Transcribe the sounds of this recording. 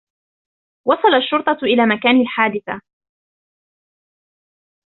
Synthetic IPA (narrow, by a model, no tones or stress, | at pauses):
wɑsˤɑlɑaʃːʊɾt̪ˤɑʔɪlaːmakaːnalħaːd̪ɪθa